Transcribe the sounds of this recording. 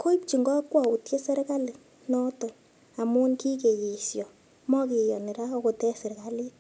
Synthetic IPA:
kʰo˦i˦p̚t͡ʃi˨ŋɡɔ˦kwa˨u˨tje˦sɛ˦ɾka˦li˨ | nɔ˦to˨ | a˨mu˦nki˦ke˨ji˨sjɔ˨ | mɔ˦ki˨jɔ˨ni˨ɾa˦ɔ˦ko˨tɛ˦se˨ɾka˦li˦

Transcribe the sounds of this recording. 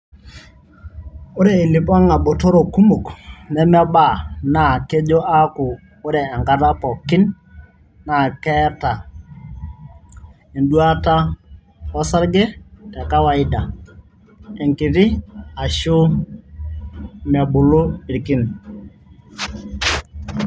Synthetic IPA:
ʊ˦ɾɛ˦i˨li˨pa˦ŋa˨bɔ˨to˦ɾo˨ku˦mu˨knɛ˦ma˦ba˨na˨ke˦d͡ʒo˦ʔa˦kʊ˨ | ʊ˦ɾɛː˨ŋka˦ta˦pɔ˨kɪ˦nː | a˨kɛ˦ta˨ | e˨ndu˦a˦ta˦ | ɔ˦sa˦ɾɡɛ˦tɛ˨ka˦wa˦ɪ˦da˨ | ɛ˨ŋki˨tɪ˦a˨ʃʊ˦ | ma˨bʊ˨lu˦ɪ˨ɾki˦n

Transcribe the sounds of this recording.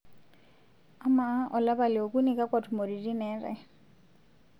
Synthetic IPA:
a˦ma˨˦ʔɔ˨la˦ba˨lɪ˨o˨ku˦ni˨kʼa˦kʼwa˨tʰu˨mo˨ɾi˨ri˦nɛː˦rɛ̰˨

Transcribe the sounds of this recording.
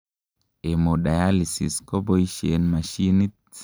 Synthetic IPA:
e˨mo˨ɗa˨ja˦li˨sḭ˨sko˦bo˦i˦ʃḛ˨nma˨ʃi˦ni˦

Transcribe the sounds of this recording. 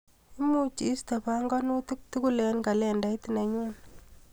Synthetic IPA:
i˦mu˦t͡ʃi˨˦st̪a˨pa˦ŋɡɔ˦no˦tu˦k̚t̪u˦ku˦lɛ˨nka˨lɛ˦˨nda˨˦i˦t̪i˨ne˨ɲu˦n

